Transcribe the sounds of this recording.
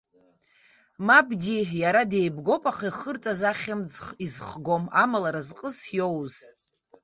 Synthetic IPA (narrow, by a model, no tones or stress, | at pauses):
mabɡʲijaɾadejbɡo̞pʼaχiχərt͡sʼazaχʲɪmd͡zχizχɡo̞ma̰malaɾazqʼəsjowz̥